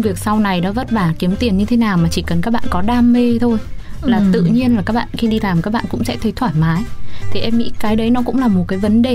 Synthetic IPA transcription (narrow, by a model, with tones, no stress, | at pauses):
vi˨˩ək̚sa˧wna˨˩jnɔ˨˦və˦˥t̚ɓaː˧˩ki˨˦əmt̪i˨˩ənɲɨ˧t̪ʰe˨˦naː˨˩wmaː˨˩t͡ɕi˧˩kə˨˩nkaː˦˥k̚ɓa̰ː˧˨nkɔ˨˦ɗaː˧mːe˧t̪ʰo˧jlaː˨˩t̪ɨ̰˧˨ɲi˧ənlaː˨˩kaː˦˥k̚ɓa̰ː˧˨nxi˧ɗi˧laː˨˩mkaː˦˥k̚ɓa̰ː˧˨ŋkʊ̰˧˥ŋ͡msɛ̰˧˥t̪ʰə˨˦jt̪ʰwaː˧˩jmaː˨˦jt̪ʰi˨˩ʔɛ˧mːḭ˧˥kaː˨˦jɗə˨˦jnɔ˨˦kʊ̰˧˥ŋ͡mlaː˨˩mo˨˩t̚kaː˨˦jvə˨˦nɗe˨˩